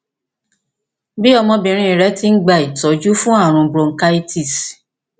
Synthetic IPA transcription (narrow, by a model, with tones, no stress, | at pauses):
bi˦ɔ˧mɔ̃˧bĩ˧ɾ̃ĩ˧˦i˨ɾɛ˨˦ti˦ŋ̩˦ɡ͡ba˧˨i˨tɔ˨˦d͡ʒu˦fũ˦a˦˨ɾ̃ũ˨˧bɾo˨˧ŋ̩˨˦ka˦i˦ti˦˨s